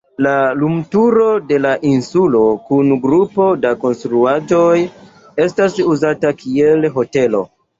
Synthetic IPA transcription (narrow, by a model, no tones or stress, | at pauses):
lalumtuɾo̞de̞laʔinsulo̞kunɡɾupo̞dako̞nstɾuad͡ʒo̞j | e̞stasuzatakʰie̞lɦo̞te̞lo̞̰